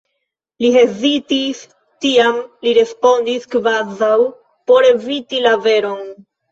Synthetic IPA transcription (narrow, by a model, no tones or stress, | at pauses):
liɦe̞zitis | tiamliɾe̞spo̞ndiskvazaw | po̞ɾe̞vitilave̞ɾo̞n